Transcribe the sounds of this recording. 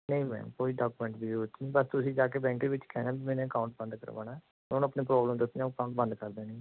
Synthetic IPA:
nəĩːmɛ̰̃ːkoːiːɖaːkumɛ̃ːɳʈbiːot͡ʃːibəst̪ʊsĩːd͡ʒaːkeːbɛ̃ːŋkeːʋɪt͡ʃkɛːnãːbiːmɛːnẽːəkaːʊ̃ɳʈ̚bə̃nd̪kə̰ɾʋa̰ːnaː | ʊnəpneːpɾɔːbləmd̪əsakaːʊ̃ɳʈ̚bə̃nd̪kəɾd̪eːnĩː

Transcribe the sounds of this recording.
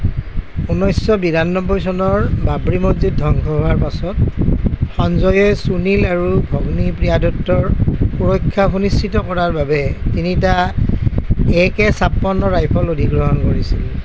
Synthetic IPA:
unɔjsːɔbidanːɔbɔjsɔnɔɹbabɹimozit̚dʱɔŋkʰɔɦowaɹpasɔt̚ | xɔnzɔjɛsunilaɹubʱɔɡnipɹijadɔk̚tːɔɹpuɹɔkʰːaxunist͡ʃitɔkɔɹaɹbabɛtinita | ɛkɛsapːɔnːɔɹajpʰɔlodʱiɡɹɔɦɔnkoɹisil

